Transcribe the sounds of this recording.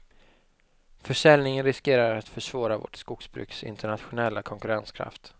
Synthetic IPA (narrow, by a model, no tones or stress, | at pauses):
fœʂɛlnɪŋənɾɪskeːɾaɾat̪fœʂv̥ɑːɾavɔ̰ʈskʊksbɾʉ̰ːksɪ̰nt̪əɳat̪ɧʊnɛlːakʰɔŋkɵɾanskʰɾa̰ft̪